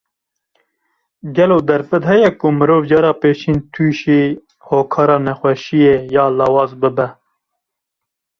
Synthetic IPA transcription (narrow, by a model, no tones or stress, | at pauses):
ɡɛloːd̪ɛɾfɨd̪hɛjɛkʊmɨɾoːvd͡ʒɑːɾɑːpeːʃiːnt̪ʰuːʃiː | hoːkʰɑːɾɑːnɛxwɛʃijejɑːlɑːwɑːzbɨbɛ